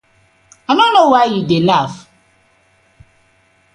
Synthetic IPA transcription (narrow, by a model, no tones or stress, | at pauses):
anɔnowajidelaf